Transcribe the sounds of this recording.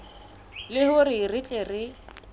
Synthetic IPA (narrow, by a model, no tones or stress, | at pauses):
lɪhʊrɪrɪt͡ɬʼerɪ